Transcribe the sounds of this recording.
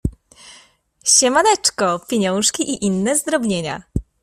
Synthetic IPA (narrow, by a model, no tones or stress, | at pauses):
ɕɛmalɛt͡ʂkɔpʲjeɲɔ̃w̃ʂkʲiʔiʔinːɛzd̪ɾɔbɲeɲa̰